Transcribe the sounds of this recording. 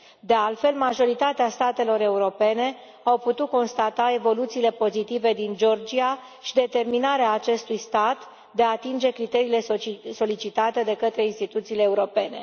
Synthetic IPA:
d̪e̞alt̪fe̞lmaʒo̞ɾit̪at̪east̪at̪e̞lo̞ɾe̞uɾo̞pe̞ne̞ | awput̪ut̪̚ko̞nst̪at̪ae̞vo̞lut̪siːle̞po̞zit̪ive̞d̪ind͡ʒo̞rd͡ʒia | ʃid̪e̞t̪e̞rminaɾeaːt͡ʃe̞st̪ujst̪at̪ | d̪e̞aːt̪ind͡ʒe̞kɾit̪e̞ɾiːle̞so̞lit͡ʃit̪at̪e̞d̪e̞kət̪ɾe̞inst̪it̪ut̪siːleːuɾo̞pe̞ne̞̰

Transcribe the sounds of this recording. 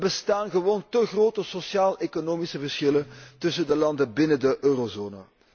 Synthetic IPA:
bəstaːnɣəʋoːntəɣroːtəsosjaːlˠekonoːmisəvərsxɪlətɵsəndəlɑndəbɪnəndəʔøːrozoːnə̰

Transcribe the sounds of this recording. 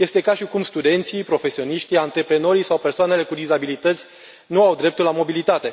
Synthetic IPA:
je̞st̪e̞kaʃikumst̪ud̪e̞nt̪sipɾo̞fe̞sio̞niʃt̪iant̪ɾe̞pɾe̞no̞ɾisawpe̞rsoane̞le̞kud̪izabilit̪ət̪sʲ | nuawd̪ɾe̞p̚t̪ulamo̞bilit̪at̪e̞

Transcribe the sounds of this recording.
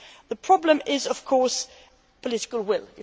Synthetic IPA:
ðəpʰɹ̥ɑblə̃mɪzʌv̥kʰɔːˑs | pʰəlɪɾɪ̥kəl̩ˠwɪlˠɪ

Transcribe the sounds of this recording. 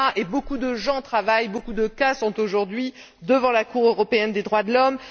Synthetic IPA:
aʔebokud̪əʒɑ̃t̪χavajbokud̪əkasɔ̃t̪oʒuʁd̪ɥi | d̪əvɑ̃lakuʁøʁɔpeɛnd̪ed̪ʁwad̪əlɔm

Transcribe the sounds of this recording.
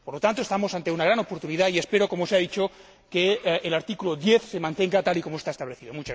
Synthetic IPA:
poɾlot̪ant̪oest̪amosant̪eunaɣ̞ɾanopoɾt̪uniðaiespeɾokomoseaðit͡ʃo | keːlaɾt̪ikuloðjeθsemant̪eŋɡat̪alikomoest̪aest̪aβleθiðomut͡ʃa

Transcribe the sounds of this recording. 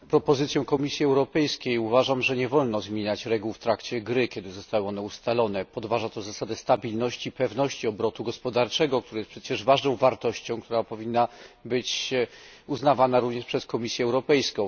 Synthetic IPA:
pɾɔpɔzɘt̪sʲjɔ̃w̃kɔmʲisʲjiɛwɾɔpɛjskʲejuvaʐamʐɛɲɛvɔlnɔzmʲjeɲat͡ɕɾɛɡuwft̪ɾakt͡ɕɛɡɾɘkʲɛd̪ɘzɔst̪awɛɔnɛust̪alɔnɛpɔd̪vaʐat̪ɔzasad̪ɛst̪abʲilnɔɕt͡ɕipɛvnɔɕt͡ɕiɔbɾɔt̪uɡɔspɔd̪aɾt͡ʂɛɡɔk̚t̪uɾajɛspʂɛt͡ɕɛʐvaʐnɔ̃w̃vaɾt̪ɔɕt͡ɕɔ̃w̃kt̪uɾapɔvʲinːabɘt͡ɕ | uznavanaɾuvɲɛʂpʂɛskɔmʲisʲjɛːwɾɔpɛjskɔ̃w̃

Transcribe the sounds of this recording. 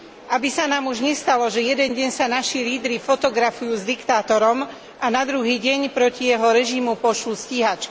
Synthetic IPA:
ʔabisanaːmuʒɲɛst̪alɔʒɛjɛd̪ɛnɟɛɲsanaʃiliːd̪ɾifɔt̪ɔɡɾafujuːzd̪ikt̪aːt̪ɔɾɔm | ʔanad̪ɾuɦiːɟɛɲpɾɔcijɛɦɔɾɛʒimupɔʃlusciɦat͡ʃk

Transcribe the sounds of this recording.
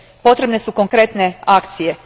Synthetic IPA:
po̞t̪ɾe̞bne̞suko̞ŋkɾe̞t̪ne̞akt̪sije̞

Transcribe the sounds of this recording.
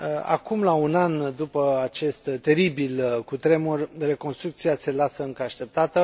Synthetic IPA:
a̰kumlaunand̪upəat͡ʃe̞st̪ːe̞ɾibilkut̪ɾe̞morʲre̞ko̞nst̪ɾuk̚t̪siase̞lasəɨŋkəaʃt̪e̞p̚t̪at̪ə

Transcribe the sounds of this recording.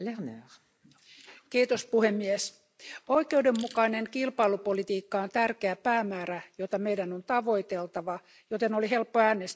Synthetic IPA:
leʁnæʁ | kiːt̪ospuhemːies | oikeudemːukɑineŋkilpɑilupolit̪iːkːɑont̪ærkeæpæːmæːræjot̪ɑmeidænont̪ɑʋoit̪elt̪ɑʋɑ | jot̪enoliɦelpːoæːnes

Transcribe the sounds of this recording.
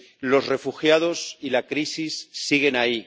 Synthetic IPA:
lo̞zre̞fuxjaðo̞silakɾisisːiɣ̞e̞nai

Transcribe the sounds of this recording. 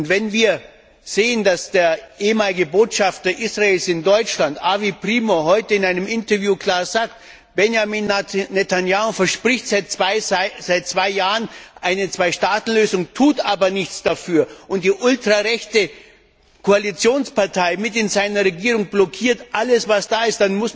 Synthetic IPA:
ʊntvɛnviːɐ | z̥eːəndasd̥eːɐʔeːəmaːlɪɡəboːtʃaftɐʔisʁaeːlsɪndɔʏt͡ʃlantʔaːvipʁ̥iːmoɦɔʏtəɪnaɪnəmɪntɐvjuːkl̥aːɐzaːkt | b̥ɛnjamiːnnetʰanjaːofɛɐʃpʁ̥ɪçtzaɪz̥aɪt̚t͡sv̥aɪjaːʁənʔaɪnət͡sv̥aɪʃtaːtn̩løːzʊŋtʰuːtʔaːbɐnɪçt͡sd̥afyːɐʔʊnt̚d̥iːʔʊltʁ̥aʁɛçtə | kʰoalit͡sjoːnspaɐtʰaɪmɪtɪnzaɪnɐʁeɡiːʁʊŋblɔkʰiːɐtʔaləsvasd̥aːɪstd̥anmʊs

